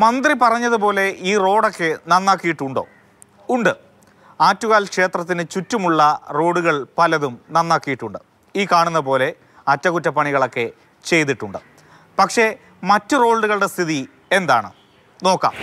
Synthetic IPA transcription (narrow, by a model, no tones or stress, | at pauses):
mɐnd̪ripɐrɐɲːɐðɨpo̞ːle̞iːro̞ːɽo̞kːe̞nɐnːaːkːijiʈːuɳɖo̞̰ː | uɳɖɨ | aːtːuɣaːlkʂe̞ːt̪rɐt̪̬ːinɨt͡ɕutːumuɭːɐro̞ːɽuɣɐɭpɐlɐðumnɐnːaːkːijiʈːuɳɖɨ | iːkaːɳunːɐp̬o̞ːle̞ | ɐtːɐɣutːɐpɐɳiɣɐɭo̞kːe̞ | t͡ɕe̞jt̪̬iʈːuɳɖɨ | pɐkʂe̞ | mɐtːɨro̞ːɭuɣɐɭɨɽe̞st̪ʰiði | e̞nd̪a̰ːɳɨ | no̞ːkːa̰ːm